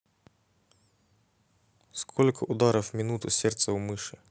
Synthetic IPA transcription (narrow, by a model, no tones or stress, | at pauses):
skʰɔlʲkʰʊʔʊd̪ɑɾɔwmʲinut̪ʊsʲɛrt̪sɐwmɪʃɪ